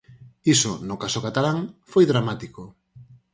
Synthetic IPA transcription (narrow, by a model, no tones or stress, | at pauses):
isonʊkasʊkat̪alaŋfojðɾamat̪iko